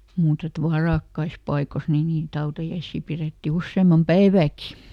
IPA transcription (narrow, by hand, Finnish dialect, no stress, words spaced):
muːt et ʋɑrɑˑkːɑis pɑikos niː niːt hɑutɑjɑisːiː pireˑtːi usːeːmɑm pæiʋæːki